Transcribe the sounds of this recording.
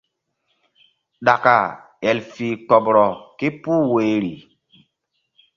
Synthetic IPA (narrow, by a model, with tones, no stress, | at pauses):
ɗa˨ka˨ | ɛ˨lfiː˨kɔ˨bɾɔ˨ke˦puː˦we˨ɾi˨